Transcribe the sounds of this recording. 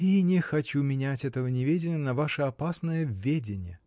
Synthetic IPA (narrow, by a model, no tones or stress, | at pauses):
inʲɪxɐt͡ɕumʲɪnʲætʲɛt̪əvənʲɪvʲedʲɪnʲjənɐvaʂəɐpasnəjəvʲedʲɪnʲɪjə